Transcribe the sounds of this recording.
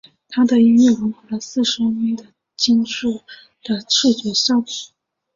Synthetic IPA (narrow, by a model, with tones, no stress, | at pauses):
t̪ʰa˥d̪ə˨i˧˥ɛ˥˩wə˧˥ŋxa˧˥lə˧˦sɹ̩˥˩ʂɻ̩˧˥˧ni˧˥nd̪ə˨ | t͡ɕi˥ŋʂu˥˩ | d̪̥ə˨t͡sʰu˥˩t͡ɕɥɛ˧˥ɕɑ˥ʊi˨˩˦